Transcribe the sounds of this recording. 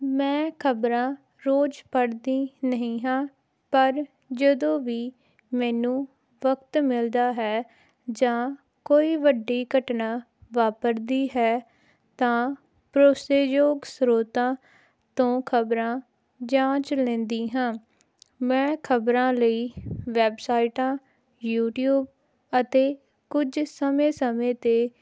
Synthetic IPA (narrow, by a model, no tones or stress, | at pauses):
mɛ̃ːkʰəbɾãː | ɾoːd͡ʒpəɽd̪iːnəɦĩːɦãː | pəɾ | d͡ʒəd̪õːʋiː | mɛ̃ːnũː | ʋəkt̪mɪld̪aːɦɛː | d͡ʒãː | koːiːʋəɖːiːkəʈnaː | ʋaːpəɾd̪iːɦɛː | t̪ãː | pɾoːseːjoːɡsɾoːt̪ãː | t̪õːkʰəbɾãː | d͡ʒãːt͡ʃlɛ̃ːnd̪iːɦãː | mɛ̃ːkʰəbɾãːləiːʋɛːbsaːiʈãː | juːʈjuːb̚ | ət̪eː | kʊd͡ʒsəmẽːsəmẽːt̪eː